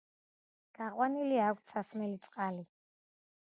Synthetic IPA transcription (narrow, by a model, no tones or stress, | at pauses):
ɡ̥aqʼwaniliaːkʷʰt̪sʰasmɛlit̪sʼqʼali